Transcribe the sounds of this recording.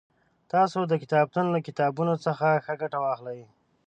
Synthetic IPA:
t̪ɑsod̪əkɪt̪ɑb̚t̪unlakɪt̪ɑbunot͡səxaxəɡaʈawɑxlaj

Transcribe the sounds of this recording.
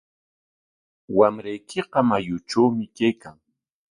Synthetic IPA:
wamɾajkɪqɑmajʊt͡ʃawmɪkajkaŋ

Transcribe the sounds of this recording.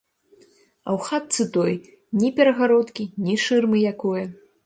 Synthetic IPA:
ɐ̰wxat̪sɨt̪ɔj | nʲipʲɛɾɐɣaɾɔt̪kʲinʲiʂɨrmɨjakɔjɐ

